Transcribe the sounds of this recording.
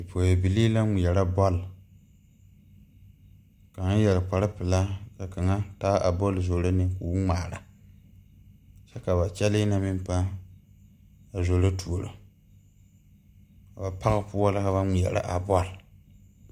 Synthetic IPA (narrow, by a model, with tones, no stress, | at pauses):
ɨ˨poː˨je˨bi˨liː˦la˦ŋi˨jɛ˨ɾa˦bɔ˦l | ka˨ŋ˦jɛ˨lɨ˨k͡pa˨ɾɪ˦pɪ˨la˦ka˨ka˨ŋa˦taː˦ʔa˨bɔ˦lzo˨la˦nɪ˦ku˨wŋ͡maː˨ɾa˨ | t͡ʃɛ˦ka˨ba˨t͡ʃɛ˦lɪ˦na˨mɪ˦m˦pa˦ | a˨zo˨la˦tʰu˨o˨ɾo̰˨ | ka˨ba˨pa˦ɣɨ˦pʊ˦a˦la˦ka˨βa˦ŋi˨jɛ̰˨ɾa̰˦ʔa˨bɔ˦l